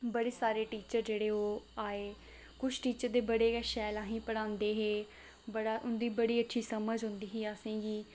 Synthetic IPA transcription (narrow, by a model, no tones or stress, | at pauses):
bəɽeːsaːɾeːʈiːt͡ʃəɾd͡ʒeːɽeːoːaːeː | kʊt͡ʃʰʈiːt͡ʃəɾd̪eːbəɽeːkɛʃɛːlãːɦĩːpəɽãːnd̪eːɦeː | bəɽaːʔʊnd̪iːbəɽiːətːʃʰiːsəməd͡ʒɦʊ̃nd̪iːɦiːaːsẽːɡiː